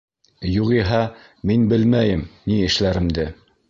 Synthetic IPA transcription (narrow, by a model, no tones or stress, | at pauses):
juqiɦɑ | minbɘlmæjɘmniɘ̆ʃlæɾɘ̆md̪ɘ